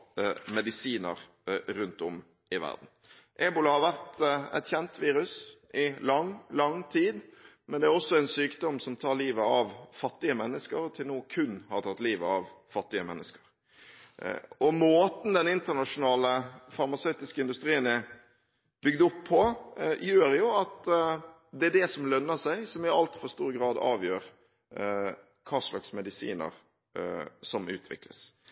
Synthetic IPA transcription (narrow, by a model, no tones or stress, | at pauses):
mɛd̪ɪsiːnə̰ɾ | ɾʉnt̪ɔ̰m | ɪʋæ̰ʁd̪n̩ | ʔeːbʊlɑhɑɾʋæɾt̪ɛ̰t̪çɛnt̪ʋiːɾʉsʔɪlɑŋlɑŋt̪ʰiːd̪ | mɛnd̪ɛæɾɔsːɔɛnsyːkd̪ɔmsɔmt̪ʰɑːɾliːʋəɑʋfɑt̪ːɪəmɛnːəskəɾt̪ʰɪlnuːkʰʉnhɑɾt̪ʰɑt̪ːliːʋəɑʋfɑt̪ːɪəmɛ̰nːəskə̥ɾ | ɔmoːt̪n̩d̪ɛnɪnt̪ənɑʂʊnɑːləfɑɾmɑsœʏt̪ɪskəɪnd̪ʉst̪ɾiːənɛ | b̥ʏɡd̪əɔpʰːɔjøːɾjʊɑt̪ | d̪ɛæd̪ɛsɔmlœnːəsæɪsɔmɪɑlt̪fɔlst̪uːɾɡɾɑːd̪ɑ̰ːʋjøːɾ | kʰɑːʂlɑ̰ksmɛd̪ɪsḭːnə̰ɾ | sɔmʉ̰ːt̪ʰʋɪ̰klə̰s